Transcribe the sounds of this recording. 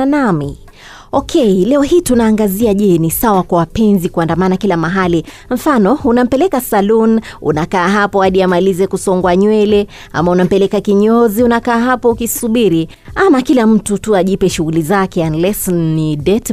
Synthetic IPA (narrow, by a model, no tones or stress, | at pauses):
nami | ɔkʰɛilɛɔhiːtunaːŋɡaziaʄɛnisawakwawapɛnzikuandamanakilamaɦali | ɱ̩fanɔunam̩pɛlɛkasalunṵnakaːɦapɔaɗiamalizɛkusɔŋɡwaɲwɛlɛ | a̰maunam̩pɛlɛkakiɲɔziunakaːɦapɔukisuɓiɾi | amakilam̩tutuaʄipɛʃuɣulizakɛanlɛsɔnːidɛt